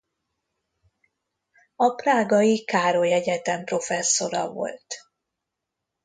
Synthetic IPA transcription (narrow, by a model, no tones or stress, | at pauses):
ɒpraːɡɒjikaːɾo̞jɛɟɛt̪ɛmpro̞fɛsːo̞ɾɒ̰vo̞̰lt̪